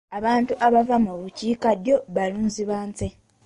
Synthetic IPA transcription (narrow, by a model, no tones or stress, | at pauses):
aβaːntuʔaβavamuβuciːkaɾjo̞βaluːnziβaːnse